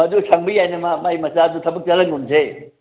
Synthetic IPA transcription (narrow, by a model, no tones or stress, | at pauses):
ɐdusʰaŋbijajnɐmamajmɐsadutʰɐbɐk̚t͡ʃɐlɐŋɡunze